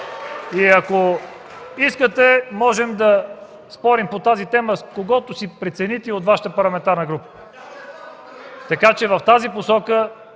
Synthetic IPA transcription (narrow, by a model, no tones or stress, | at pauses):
iɐko | iskət̪ɛmɔʒɛmd̪ɐ | spɔɾimpot̪azit̪ɛməskoɡɔt̪ʊsipɾɛt̪sɛnit̪ɛot̪vaʃət̪əpɐɾlˠɐmɛnt̪aɾnəɡɾupə̥ | t̪ɐkat͡ʃɛvɐft̪aziposɔkə